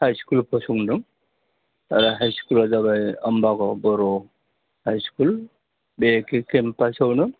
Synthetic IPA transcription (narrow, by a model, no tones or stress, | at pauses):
hajskulpʰɔsuŋdɯŋ | aɾaɦajskulazaβajɔmbaɡɔbɔɾɔ | hajskul | bekekempajsawnɯ